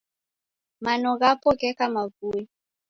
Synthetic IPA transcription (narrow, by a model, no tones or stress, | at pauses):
manɔɣapɔkɛkamavui